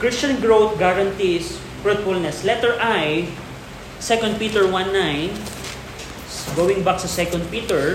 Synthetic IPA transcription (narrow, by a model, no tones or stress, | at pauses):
kɹist͡ʃɐ̃nɡɹowt̪̚ɡaɾɐ̃nt̪is | fɹut̪fʊlnɛslɛt̪ɛɹʔaj | sɛkɔ̃nd̪̚pit̪ɛɹwãnːãjn | ɡowɪ̃ŋbak̚t̪usɛkɔ̃nd̪̚pit̪ɛɹ